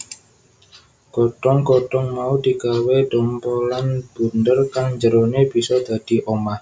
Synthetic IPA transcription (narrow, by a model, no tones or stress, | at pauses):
kɔʈɔŋkɔʈɔŋmaud̪i̤ɡawedɔmpɔlanb̥ṳndərkaŋɲd͡ʒəɾoneb̥isɔd̪̥ad̪̥iʔoma